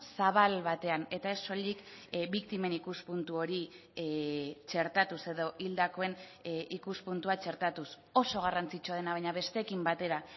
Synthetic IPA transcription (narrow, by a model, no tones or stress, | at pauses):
saβ̞alβat̪e̞ane̞t̪ae̞so̞ʎikbikt̪imenikuspunt̪uo̞ɾi | t͡ʃe̞ɾt̪at̪use̞ðo̞ʔild̪ako̞e̞nikuspunt̪uat͡ʃe̞ɾt̪at̪us | o̞so̞ɣ̞arant͡sit͡ʃoað̞e̞naβajɲaβe̞st̪eːkimbat̪e̞ɾa